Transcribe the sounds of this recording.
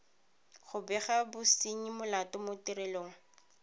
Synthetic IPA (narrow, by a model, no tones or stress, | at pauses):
χʊbɛχabʊsiɲimʊlatɔmʊtiɾɛloːŋ̩